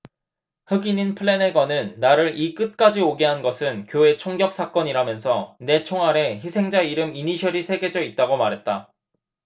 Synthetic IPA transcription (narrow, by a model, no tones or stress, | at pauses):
hɯɡininpʰɯɭːe̞ne̞ɡwanɯnːaɾɯɾik͈ɯt̚k͈ad͡ʑioɡiɦanɡʌsʰɯnkjoe̞t͡ɕʰoŋɡjʌk̚s͈ak͈ʌɲiɾamjʌnsʰʌne̞t͡ɕʰoŋɦaɾe̞çisʰe̞ŋd͡ʑaiɾɯminiɕʰʌɾisʰe̞ɡe̞d͡ʑʌit̚t͈aɡomaɾɦe̞t̚t͈a